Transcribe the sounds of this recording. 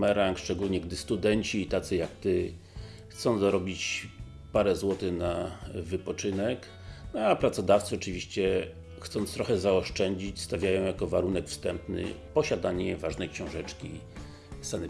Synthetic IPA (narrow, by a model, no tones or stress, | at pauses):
mɛɾaŋkʂt͡ʂɛɡulɲɛɡd̪ɘst̪ud̪ɛɲt͡ɕiːt̪at̪sɘjakt̪ɘ | xt̪sɔ̃ñzaɾɔbʲit͡ɕ | paɾɛzwɔt̪ɘnavɘpɔt͡ʂɘnɛk | nɔapɾat̪sɔd̪aft̪sɨɔt͡ʂɘvʲiɕt͡ɕɛ | xt̪sɔ̃nt̪st̪ɾɔxɛzaɔʂt͡ʂɛɲd͡ʑit͡ɕst̪avʲjajɔ̃w̃jakɔvaɾunɛkfst̪ɛmpnɘ̰ | pɔɕad̪aɲɛvaʐnɛjkɕɔ̃w̃ʐɛt͡ʂkʲi | sanɛ